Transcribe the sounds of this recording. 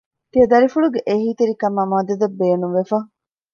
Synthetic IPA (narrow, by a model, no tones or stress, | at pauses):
t̪iɐd̪ɐɾifuɭuɡeʔeɦiːt̪eɾikɐmɐmaːd̪ɐd̪ɐbːeːnumʋefɐ